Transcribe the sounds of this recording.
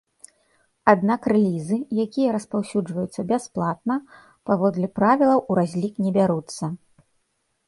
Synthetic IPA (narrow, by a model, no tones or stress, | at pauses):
ad̪nakrɛlʲizɨjakʲijɐɾɐspawsʲud͡ʐvɐjut̪sːɐbʲasplˠat̪̚nɐ | pavɔd̪lʲipɾavʲilˠɐwuɾazʲlʲiknʲɛbʲaɾut̪sːɐ